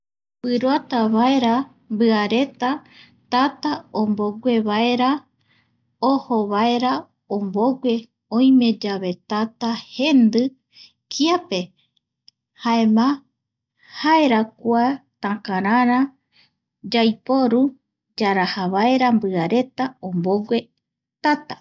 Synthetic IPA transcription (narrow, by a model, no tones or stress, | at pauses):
pɨɾat̪aβae̞ɾa | mbɨaɾe̞t̪a | t̪at̪aomboɡʷe̞βae̞ɾa | ohoβae̞ɾa | omboɡʷe̞ | õj̃mẽ̞d͡ʒaβe̞t̪at̪ahe̞nd̪ɨ | kʰiape̞ | haemã | hae̞ɾakʷat̪ãkãɾãɾã | d͡ʒajpo̞ɾu | d͡ʒaɾahaβaeɾambɨaɾe̞t̪aõmboɡʷe̞ | t̪at̪a